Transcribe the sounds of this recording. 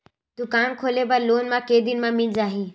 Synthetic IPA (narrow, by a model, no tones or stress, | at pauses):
t̪ukaːnkʰoːlebəɾloːnmãːkeːd̪ɪnmãːmɪ̃ɲd͡ʒaːɦĩː